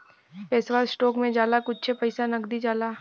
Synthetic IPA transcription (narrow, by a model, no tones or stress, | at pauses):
peːsʋaːssʈɔːkmẽd͡ʒaːlakʊtːt͡ʃʰepɐɪsanɐɡd̪id͡ʒaːlaː